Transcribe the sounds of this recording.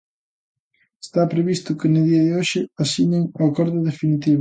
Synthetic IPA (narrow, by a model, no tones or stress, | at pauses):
e̥st̪apɾeβist̪ʊkɪnʊðiɐðɪoʃɪasiɲeŋakɔɾðʊðefinit̪iβ